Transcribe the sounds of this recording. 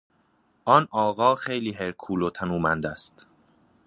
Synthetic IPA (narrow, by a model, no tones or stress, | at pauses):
ʔɒnɒːɣɒːxejliːɦeɾkʰuːlot̪ʰænuːmænd̪æst̪